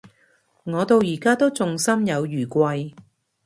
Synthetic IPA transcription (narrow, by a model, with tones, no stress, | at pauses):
ŋɔː˨˧t̪o˧wjiː˨˩kaː˥t̪o˥wt͡sʊ˨ŋsɐ˥mjɐ˨˧wjyː˨˩kʷɐ˧j